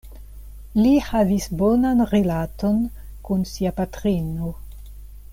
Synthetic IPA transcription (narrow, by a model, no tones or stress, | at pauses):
lihavisbonanɾelaton | kunsiapatɾino